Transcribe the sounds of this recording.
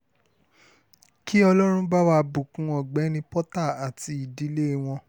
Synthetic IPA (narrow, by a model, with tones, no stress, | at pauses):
ki˦ɔ˧lɔ˦ɾ̃ũ˦ba˦wa˧bu˨kũ˨˦ɔ˨ɡ͡bɛ˨˦ñĩ˧pɔ˦ta˦˨a˨ti˧˦i˨di˨˦le˦˨w̃ɔ̃˧